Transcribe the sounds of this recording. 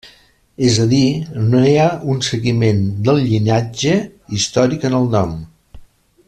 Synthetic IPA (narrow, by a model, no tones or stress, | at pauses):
ezəðinoeəunsəɣimend̪əlˠʎinad͡ʒəist̪ɔɾikənəlˠnɔm